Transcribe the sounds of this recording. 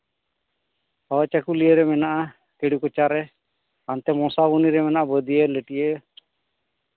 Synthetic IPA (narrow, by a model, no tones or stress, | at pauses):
awɛt͡ʃakulijəɾɛmɛnaʔa | keɽukɔt͡ʃaɾɛ | ant̪ɛmɔsabuniɾɛmɛnaʔabəd̪ijeləʈije